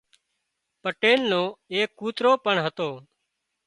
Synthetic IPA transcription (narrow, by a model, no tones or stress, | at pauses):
pəʈeːlnõːeːkːuːt̪ɾoːpəɳɦət̪oː